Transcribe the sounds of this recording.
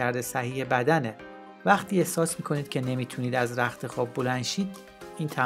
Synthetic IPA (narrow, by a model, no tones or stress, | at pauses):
æɾd̪esæhiːhe̞bæd̪æne | væχt̪ʰiːe̞hsɒːsmiːkʰo̞niːd̪̥̚cʰe̞ne̞miːt̪ʰuːniːd̪æzɾæxt̪ʰe̞xɒːb̚bːo̞lænʃiːd̪ | iːnt̪ʰæ